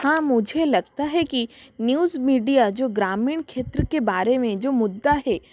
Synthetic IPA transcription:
hãːmʊd͡ʒʱelɐɡ̚t̪aɦɛkinjuːzmiːɖijad͡ʒoːɡɾaːmiːɳkʰeːt̪ɾəkebaːɾemẽd͡ʒoːmʊd̪ːaɦɛː

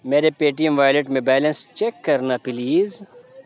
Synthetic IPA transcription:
meːɾepeːʈijəmʋaːjleʈmẽbɛːlɐ̃nst͡ʃekːɐɾnapɪliːz

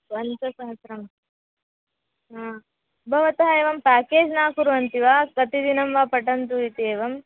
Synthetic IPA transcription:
ɐnt͡ʃɐsɐɦɐsɾɐm | ɦaː | bʱɐʋɐt̪ɐɦɐeːʋɐmpaːkeːd͡ʒnaːkuɾuʋɐnt̪iʋaːkɐt̪id̪inɐmʋaːpɐʈɐnt̪uit̪ieːʋɐm

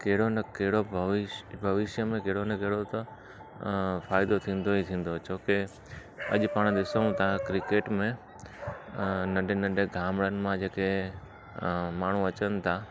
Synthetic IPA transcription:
keɦɪɽonɐkeɦɪɽobʱɐʋɪbʱɐʋɪʃjəmẽkeɦɽonɐkeɦɽot̪ɐ | faːɪd̪ot̪ʰĩːn̆d̪oit̪ʰĩːn̆d̪ot͡ɕoːke | ɐ̰ʄpaːɽ̃d̪ɪsəũt̪ʰakɾɪkeːʈmẽ | nɐ̃ɖenɐ̃ɖeɡʱaːmɭənɪ̆mãd͡ʑeːke | maːɳ̤ũɐt͡ɕənɪ̆t̪ʰa

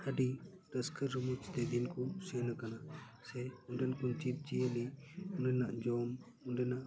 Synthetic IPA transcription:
aɖiɾəskʰəɾːumut͡ʃd̪ɛd̪inkusɛnakanasɛunɖɛnkunt͡ʃit̪̚t͡ʃiəliundɛnaʔd͡ʒɔm | unɖɛnaʔ

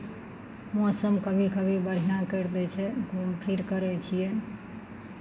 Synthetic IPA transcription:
ãsəmkəbʱikəbʱibəɾ̤ijãkəɾd̪ɛt͡ʃʰɛɡumʈʰiɾkəɾɛt͡ʃʰije

